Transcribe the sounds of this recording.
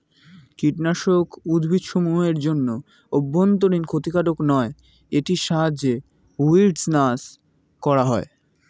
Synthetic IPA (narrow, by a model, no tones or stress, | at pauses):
kiʈnaʃokud̪ʱbʱid̪ʃomuɦeɾd͡ʑonːo | obːont̪̬oɾinkʰot̪ikaʈoknɔe | eʈiʃaɦad͡ʑe | uiɖsnas | kɔɾaɦɔe